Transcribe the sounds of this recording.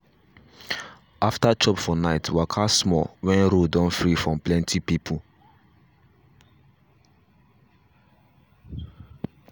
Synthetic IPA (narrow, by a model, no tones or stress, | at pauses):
aftat͡ʃɔpfɔnaɪtwakʰasmɔwɛ̃nɹodɔ̃nfɹifɹɔ̃mplɛ̃ntʰipipʰu